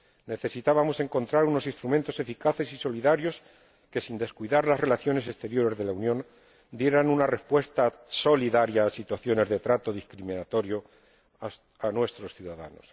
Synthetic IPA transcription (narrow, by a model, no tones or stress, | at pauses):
ne̞θe̞sit̪aβamo̞se̞ŋko̞nt̪ɾaɾuno̞sinst̪ɾument̪o̞se̞fikaθe̞siso̞liðaɾjo̞s | ke̞sind̪e̞skwiðaɾlasre̞laθjo̞ne̞se̞st̪e̞ɾjo̞ɾe̞zðe̞launjõ̞n | d̪je̞ɾanunare̞spwe̞st̪aso̞liðaɾjaːsit̪waθjo̞ne̞zðet̪ɾat̪o̞ðiskɾimĩnat̪o̞ɾjo̞ | anwe̞st̪ɾo̞sθjuðaða̰no̞̰s